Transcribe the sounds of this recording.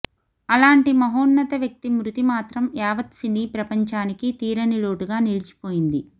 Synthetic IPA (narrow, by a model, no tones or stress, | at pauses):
ɐlaːɳʈimɐɦoːnːɐt̪ɐʋjɐk̚t̪imɾut̪imaːt̪ɾɐmaːʋɐt̪siniːpɾɐpɐɲt͡ʃaːnikit̪iːɾɐniloːʈuɡaːnilit͡ʃi̥poːjind̪i